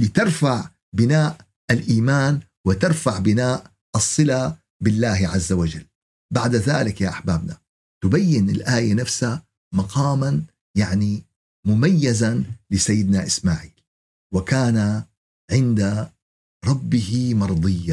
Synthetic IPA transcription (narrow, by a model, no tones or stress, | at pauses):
lɪt̪ɪɾˤfaʕ | bɪnaːʔ | ʔalʔiːmaːn | wɪt̪ɑɾˤfaʕbɪnaːʔ | ʔɨsˤːɨla | bɪlːaːhʕazːawad͡ʒalː | baʕd̪aðaːlɪkjaʔaħbaːbna | t̪ʊbajːɪnɪ̰lʔaːjanafsa | mɑqɑːman | jaʕni | mʊmajːazalɪsajːɪd̪naʔɪsmaːʕiːl | wɪkaːna | ʕɪnd̪a | ɾˤɑbːɪhimɑɾˤd̪ˤɨjːa